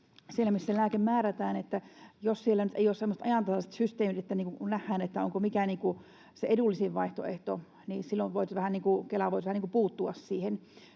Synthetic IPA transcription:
sielːˑæmisːelæːkemmæːræt̪æːnet̪ːæjossielːænyt̪eioːssemːost̪ɑjɑˑnt̪ɑslɑset̪syst̪eːmit̪et̪ːæniːkunæhːæːnet̪ːæo̰ŋkomikæniːŋku | seedulːisiʋʋɑiht̪o̰eht̪o̰ | nisilːoʋʋoit̪ʋæhænniːŋkukelɑʋoit̪ʋæhæniŋkupuːt̪ːuɑssiːhen

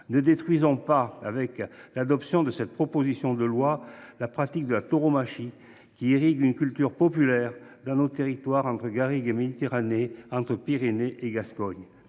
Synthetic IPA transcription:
nəd̪et̪χɥizɔ̃paavɛklad̪ɔpsjɔ̃d̪əsɛt̪̚pχɔpozisjɔ̃d̪əlwalapχat̪ik̚d̪əlat̪oʁomaʃi | kʲiiʁiɡynkʲylt̪yʁpɔpylɛʁd̪ɑ̃not̪eʁit̪waʁɑ̃t̪χəɡaʁiɡemed̪it̪eʁaneɑ̃t̪χəpiʁeneʔeɡaskɔɲ

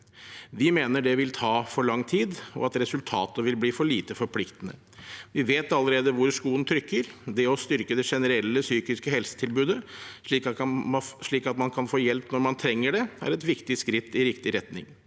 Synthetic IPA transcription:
ʋɪmeːnəɖɛʋɪlt̪ʰɑːfɔɭɑŋːt̪ʰiːd̪ɔ̰ɑt̪ɾɛsʉlt̪ʰɑ̰ːt̪əʋɪlbliːfɔɭiːt̪əfɔɾpʰlɪkt̪ənə̰ | ʋɪʋeːt̪ɑlːəɾeːd̪əʋʊɾʂkuːənt̪ʰɾʏkːəɾd̪ɛɔst̪ʏɾkəd̪ɛʂɛnəɾɛlːəsyːkɪskəhɛlsə̥t̪ʰɪlbʉːd̪əʂɭiː | ʂɭiːkɑt̪mɑnkʰɑnfoːjɛlpnɔɾmɑnt̪ʰɾɛŋːəɖɛæ̰ɾɛt̪ʋɪkt̪ɪskɾɪt̪ʰːɪɾɪkt̪ɪɾɛt̪nɪ̰ŋ

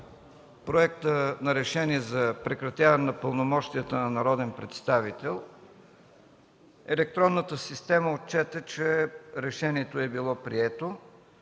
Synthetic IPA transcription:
pɾoɛkt̪ənɐɾɛʃɛniɛzɐpɾɛkɾɐt̪ʲjavɐnɛnɐpəlˠnomɔʃt̪ijət̪ənɐnɐɾɔd̪ɛnpɾɛt̪st̪avit̪ɛlˠ | ɛlɛk̚t̪ɾɔnːət̪əsist̪ɛməot̪̚t͡ʃɛt̪ɛt͡ʃɛɾɛʃɛniɛt̪oɛbilˠɔpɾiɛt̪o

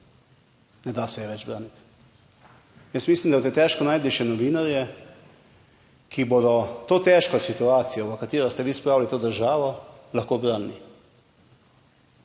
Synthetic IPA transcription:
nɛd̪asɛjɛʋɛd͡ʒbɾaːnit̪ | jəsmislimd̪abwt̪et̪ɛːʃkɔnaːjd̪iʃɛnɔʋiːnaɾjɛ | kʰibod̪ɔt̪oːt̪ɛːʃkɔsit̪uaːt̪sijɔʋɐkat̪iːɾɔst̪ɛʋiːspɾaːwlit̪oːd̪əɾʒaːʋɔ | laxkoːbɾanːi

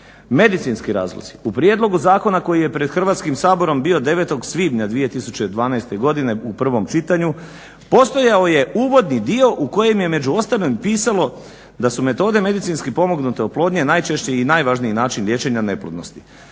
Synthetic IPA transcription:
me̞d̪it̪sinskiɾa̰ːzlo̰z̥iupɾije̞d̪lˠo̞ɡuzaːko̞nako̞jije̞pɾe̞d̪xr̩ʋaːt̪skimsaːbo̞ɾo̞mbio̞d̪e̞ʋe̞t̪o̞ɡsʋiːbɲad̪ʋije̞t̪isut͡ɕed̪ʋaːnajst̪e̞ɡo̞d̪ine̞upr̩ʋo̞mt͡ʃit̪aɲu | po̞st̪o̞jaoje̞uːʋo̞d̪nid̪io̞ʔuko̞je̞mje̞me̞d͡ʑuo̞st̪alnompiːsalo̞ | d̪asume̞t̪o̞ːd̪e̞me̞d̪it̪sinskipo̞mo̞ɡnut̪eoplˠo̞ːd̪ɲenajt͡ʃe̞ʃt͡ɕeinajʋaːʒniinaːt͡ʃinlje̞ːt͡ʃe̞ɲane̞plod̪no̰st̪i̥

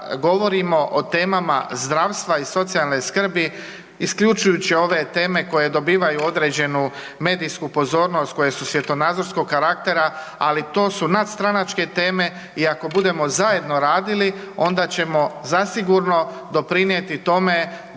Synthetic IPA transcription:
ɡo̞ʋo̞ɾimo̞ʔot̪e̞ːmama̰zd̪ɾaːʋst̪ʋaiso̞t̪sijalneskr̩bi | iskʎut͡ʃujut͡ɕio̞ʋe̞t̪e̞ːme̞ko̞je̞d̪o̞biːʋajuo̞d̪ɾe̞ːd͡ʑe̞nu | me̞ːd̪ijskupo̞zo̞ːɾno̞st̪̚ko̞je̞susʋje̞t̪o̞naːd̪zo̞ɾsko̞ɡkːaɾak̚t̪e̞ɾa | a̰lit̪o̞ːsunat̪st̪ɾanat͡ʃke̞t̪e̞ːme̞ | iako̞bud̪e̞mo̞zaje̞d̪no̞ɾaːd̪ili | o̞nd̪at͡ɕe̞mo̞zasiɡuɾno̞ | d̪o̞pɾinje̞t̪it̪o̞me̞

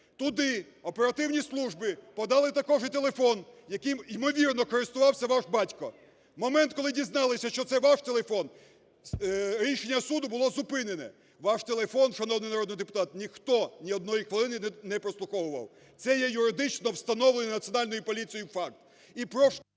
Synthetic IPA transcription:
t̪ʊd̪ɪ | ɔpe̞ɾɐt̪ɪwnʲislˠuʒbɪpɔd̪ɑlˠɪt̪ɐkɔʐit̪e̞lˠefɔnjɐkɪjmimɔʋʲirnɔkɔɾɪst̪ʊʋɑwsʲɐʋɑʒbɑtʲkɔ | mɔmɛnt̪̚kɔlˠɪdʲiznɑlˠɪsʲɐʃt͡ʃɔt̪sɛʋaʃt̪elˠefɔn | ɾʲiʃenʲːɐsud̪ʊbʊlˠɔzʊpɪnenɛ̰ | ʋɑʃt̪elˠefɔnʃɐnɔwnɪjnɐɾɔd̪nɪjd̪epʊt̪ɑt̪nʲixt̪ɔnʲiɔd̪nɔjixʋelˠɪnɪnɛpɾɔslˠʊxɔwʊʋɐ̰w | t̪sɛjɛjʊɾɪd̪ɪt͡ʃnɔwst̪ɐnɔwlenʲɛnɐt̪sʲiɔnɑlʲnɔjʊpɔlʲit͡sʲijʊfɑk̚t̪ | ipɾɔʃ

